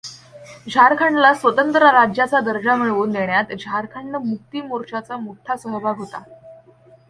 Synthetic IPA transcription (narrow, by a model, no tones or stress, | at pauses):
d͡ʑʱaɾkʰaɳɖlasʋət̪ənt̪ɾaɾad͡ʑjat͡sad̪əɾd͡ʑam̤iɭʋuːnd̪eɳjat̪d͡ʑʱaɾkʰaɳːəmuk̚t̪iːmoɾt͡ɕat͡samuʈʰːasəɦbʱaɡʱɦot̪a